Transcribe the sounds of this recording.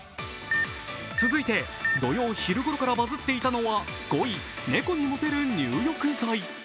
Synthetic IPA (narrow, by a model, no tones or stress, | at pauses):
t͡sɨzɨit̪e̞ | d̪o̞jo̞ːçiɾɯ̟ɡo̞ɾo̞kaɾabazɨt̪ːe̞it̪ano̞βaɡ̥o̞i | ne̞ko̞ɲ̟imot̪e̞ɾɯ̟ɲ̟ɨːjo̞kɯ̟zai